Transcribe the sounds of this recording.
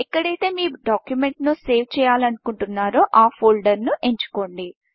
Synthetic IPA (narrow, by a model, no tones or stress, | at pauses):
ɛkːɐɽɐjt̪e̞ːmiːɖaːkjume̞ɳʈnuse̞ːʋt͡ʃɛːjaːlɐnukuɳʈunːaːɾoːʔaːpʰoːlɖɐɾnuʔe̞ɲt͡ʃu̥ko̞ːɳɖi